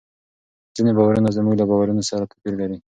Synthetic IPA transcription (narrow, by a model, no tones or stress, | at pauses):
z̥inebɑwaɾunazmuɡlabɑwaɾunosaɾat̪ḁpiɾlaɾi